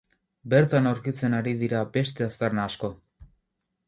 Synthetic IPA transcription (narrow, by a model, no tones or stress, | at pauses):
be̞ɾt̪anawɾkit͡se̞naɾiðiɾabe̞st̪e̞ast̪arnaːsko̞